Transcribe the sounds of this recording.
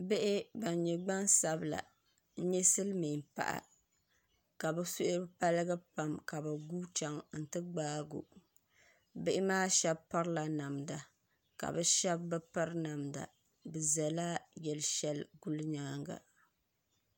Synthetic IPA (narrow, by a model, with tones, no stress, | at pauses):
be˦ʔɪ˦ba˨n˨ɲɛ˨ɡ͡ba˦nsa˦bla̰˨ | n̩˦ɲɛ˦sɨ˦lmi˨npa̰˨ʔa̰˨ | ka˨bɛ˦so˦ʔʊ˦ɾpa˦lɨ˦ɡɨ˦pa˨mka˨ba˨ɡu˦t͡ʃa˨ŋn̩˨tɨ˦ɡ͡baː˦ɡo̰˨ | bɪ˦ʔɪ˦maː˦ʃɛ˦bpa˦ɾla˨na˨mda˨ | ka̰˨bɛ˦ʃɛ˦bːɨ˦pa˦ɾna˨mda̰˨ | bɛ˨za˨la˦jɛ˨lʃɛ˦lɡu˦lɲaː˦ŋɡa̰˨